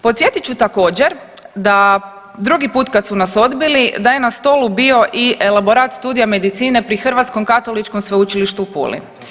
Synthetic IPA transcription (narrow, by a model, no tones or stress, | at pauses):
po̞t̪sjet̪itt͡ʃut̪ako̞ːd͡ʑe̞ɾd̪a | d̪ɾuɡipuːt̪kat̪sunaso̞d̪bilid̪aje̞nast̪o̞ːlubio̞ʔiʔe̞lˠabo̞ɾat̪st̪uːd̪ijame̞d̪it̪siːne̞pɾixr̩ʋat̪sko̞mkat̪o̞lit͡ʃkomsʋeut͡ʃiliʃt̪upṵːlḭ